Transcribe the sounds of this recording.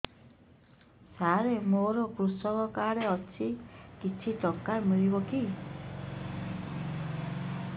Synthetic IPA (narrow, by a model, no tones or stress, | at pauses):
saɾemoɾɔkɾusɔkɔkaɽeɔt͡ʃʰikit͡ʃʰiʈɔkːaɾmiɭibɔki